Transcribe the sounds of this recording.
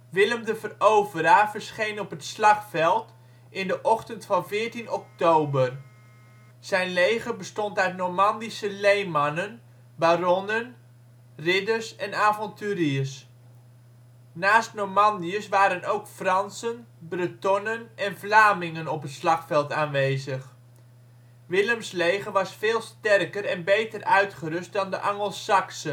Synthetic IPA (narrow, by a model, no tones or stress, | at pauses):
ʋɪləmdəvərowvəɾavəɹsχejnɔpətslɑχfɛlˠt | ʔɪndəʔɔχtəntfɑnvɪːɹtinɔk̚towbər | sɛjnlejɣəbəstɔntœɥt̚nɔɹmɑndisəlejmɑnən | barɔnən | rɪdəɹsɛnaːvɔntyːɾiəs | naːstnoɹmɑndiəsʋaːɾənowkfrɑnsən | brətɔnənɛnvlaːmɪŋənɔpətslɑχfɛlˠtaːnʋejzəχ | ʋɪləmslejχəʋɑsfɪːlˠstɛrkərɛnbejtərœɥtχərɵst̚dɑndəʔɑŋəlˠsɑksə